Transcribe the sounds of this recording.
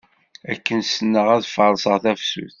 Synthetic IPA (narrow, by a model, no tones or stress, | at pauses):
ækːənsənːəʁæðfəɾˤsəʁθæfsṵθ